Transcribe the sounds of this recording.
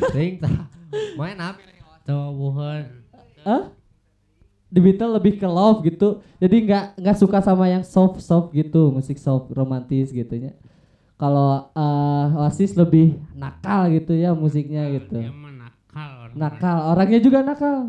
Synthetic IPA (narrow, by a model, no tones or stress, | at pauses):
siŋt̪amanap | t͡ʃawabuɦon | əh | dibit̪əlːəbɪhkəlofɡit̪ud͡ʒadiŋɡaʔŋɡaʔsukasamajaŋsɔfsɔfɡit̪umusɪk̚sɔfromant̪ɪsɡit̪uɲa | kaloəwasɪsləbɪhnakalɡit̪ujamus̬ɪk̚ɲaɡit̪unakalnakaloɾaŋɲad͡ʒuɡanakal